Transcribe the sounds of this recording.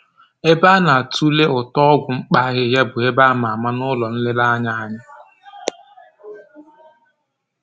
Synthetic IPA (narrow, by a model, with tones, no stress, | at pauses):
e˦ba˦na˨a˨tu˦le˦ʊ˨tɔ˦ɔ˦ɡʷʊ˨ŋ͡m̩˦k͡pa˦ɣɪ˦ja˦bʊ˨e˦ba˦a˦ma˨ma˦nʊ˦lɔ˨n̩˦lɪ˦la˦a˦ɲa˦a˦ɲa˦